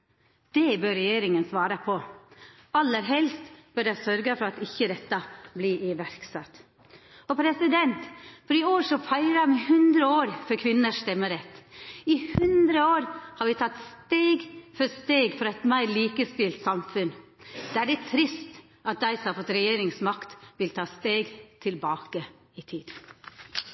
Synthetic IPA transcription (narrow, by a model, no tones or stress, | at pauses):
d̪̥ɛbøɾɛjeːɾɪŋənsʋɑːɾəpʰɔ | ɑlːəɾɦɛlst̪b̥œɖæɪsœɾɡəfɔɾɑt̪ɪçːəd̪ɛt̪ːɑblɪʔɪʋæɾksɑt̪ː | ɔpʰɾɛsɪd̪ɛnt̪fɔɾɪoːɾʂɔfæɪɾɑmɛhʉnd̪ɾəoːɾfɔɾkʰʋɪnːəʂst̪ɛmːəɾɛt̪ːɪhʉnd̪ɾəoːɾhɑɾʋɪt̪ʰɑt̪st̪eːɡfɔɾst̪eːɡfɔɾɑɛt̪mæɪɾliːkəst̪ɪlt̪sɑmfʉn | d̪̥æɖɛt̪ʰɾɪst̪ | ʔɑt̪̚d̪æɪsɔmhɑɾfɔt̪ːɾɛjeːɾɪŋsmɑkt̪ʋɪlt̪ʰɑːst̪eːɡt̪ʰɪlbɑːkə | ɪt̪ʰiːd̪